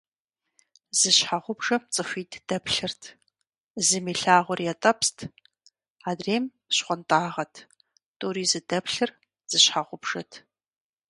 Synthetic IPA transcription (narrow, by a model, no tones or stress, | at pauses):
z̥ɨɕħaʁʷʊbʐɐmt͡sʼɨfʷiːtʰd̥ɐpʰɬɨrtʰ | zɨmiːɬaːʁʷɔrjɛtʼɐpstʰ | aːdreːm | ɕχʷɔntʼaːʁɐtʰ | tʼuːɾiːzɨdɐpɬɨr | z̥ɨɕħaʁʷʊbʐ̥ɐtʰ